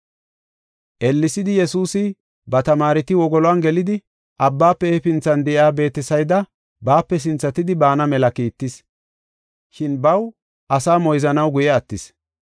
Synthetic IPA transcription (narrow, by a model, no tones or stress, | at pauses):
ʔɛlːɪsɪd̪ɪjɛsuːsɪ | bɐt̪ɐmaːɾɪt̪ɪwɔɡɔlɔanɡɛlɪd̪ɪ | ʔɐbːaːpːɛɛfɪnt͡sːɐnd̪ɛʔjaːbe̞ːt̪ːɪsɐjd̪ɐ | baːpːɛs̬ɪnt͡sːɐt̪ɪd̪ɪbaːnɐmɛlɐkiːt̪ːɪs | ʃɪnbɐw | ʔɐsaːmɔjzɐnɐwɡʊjɛɐt̪ːɪs